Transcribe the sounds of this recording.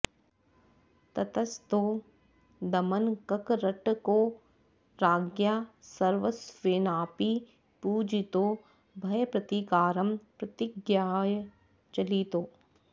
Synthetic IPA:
t̪ɐt̪ɐst̪o | d̪ɐmənkɐkɾɐʈko | ɾaːɡjaːsɐɾʋəsʋeːnaːpi | puːd͡ʒit̪oː | bʱɐjpɾɐt̪ikaːɾɐmpɾɐt̪ɪɡjaːj | t͡ʃɐlit̪oː

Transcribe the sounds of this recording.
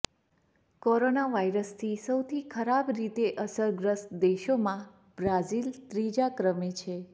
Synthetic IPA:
koɾonaʋaiɾəst̪ʰisəwt̪ʰikʰəɾabɾit̪eʔəsəɾɡɾəstd̪eʃomã | b̥ɾad͡ʒilt̪ɾid͡ʒakɾəmet͡ʃʰe

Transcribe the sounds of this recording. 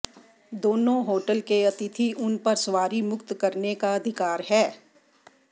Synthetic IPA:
d̪oːnõɦoːʈəlkeɐt̪ɪt̪ʰiʔʊnpɐɾsʋaːɾimʊkt̪kɐɾnekaɐd̪ʱɪkaːɾɦɛː

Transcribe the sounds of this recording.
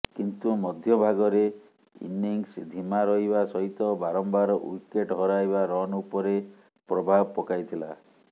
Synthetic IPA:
kint̪umɔd̪ʱjɔbʱaɡɔɾe | ḭniŋsd̪ʱimaɾɔɦibasɔɦit̪ɔbaɾɔmbaɾɔṵjkeʈɦɔɾajbaɾɔnupɔɾe | pɾɔbʱabɔpɔkajt̪ʰila

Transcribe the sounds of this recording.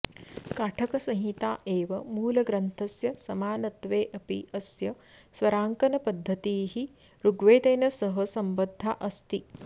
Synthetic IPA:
kaːʈʰɐkɐsɐ̃ɦit̪aːʔeːʋɐmuːlɐɡɾɐnt̪ʰɐsjɐsɐmaːnɐt̪ʋeːʔɐpḭɐsjɐ | sʋɐɾaːŋkɐnɐpɐd̪ʱːɐt̪iːɦi | ɾuɡʋeːd̪ɐjnɐsɐɦɐsɐmbɐd̪ʱːaʔɐst̪i

